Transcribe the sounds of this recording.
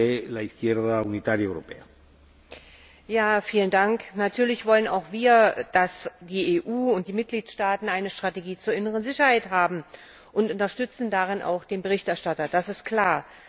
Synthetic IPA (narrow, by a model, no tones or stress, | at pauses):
elaiθkjɛɾðaunit̪aɾjaewɾo̰pḛa | jaːfiːləndaŋknatʰyːɐlɪçv̥ɔləna̰ʊxv̥iːɐd̥asd̥iːʔeːʔuːʊnt̚d̥iːmɪt̚ɡ̥liːtʃtaːtn̩aɪnəʃtʁ̥ateɡiːt͡suːɐɪnəʁ̞ənzɪçɐhaɪtɦaːbm̩ | ʔʊntʊntɐʃtʏt͡sn̩daʁɪnʔa̰ʊxd̥eːnbəʁ̞ɪçtɛɐʃtatɐd̥asɪst̚kʰl̥aːɐ